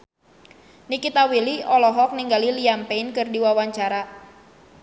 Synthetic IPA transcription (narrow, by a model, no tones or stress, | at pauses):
nikit̪awiliɔlɔɦɔk̚niŋɡaliliampɛinkɨrdiwawaɲt͡ʃaɾa